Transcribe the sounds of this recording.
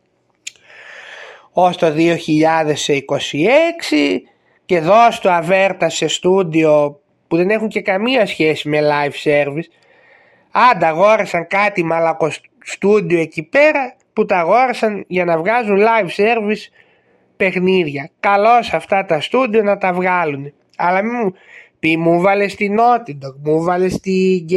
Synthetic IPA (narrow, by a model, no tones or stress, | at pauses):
ost̪o̞ðio̞çiʎɐðe̞seiko̞sieksi | ce̞ðo̞st̪oɐve̞ɾt̪ɐse̞st̪ud̪io̞ | puðe̞ne̞xuɲce̞kɐmiɐsçe̞sime̞lɐjfse̞ɾvis | ɐnd̪ɐɣo̞ɾesɐŋkɐt̪imɐlɐko̞ | st̪ud̪ioe̞cipe̞ɾɐ | put̪ɐɣo̞ɾesɐnʝɐnɐvɣɐzunlɐjfse̞ɾvis | pe̞xniðʝɐkɐlo̞sɐft̪ɐt̪ɐst̪ud̪io̞nɐt̪ɐvɣɐlun | ɐlɐmimupimuvɐle̞st̪ino̞t̪id̪okmuvɐle̞st̪iɟ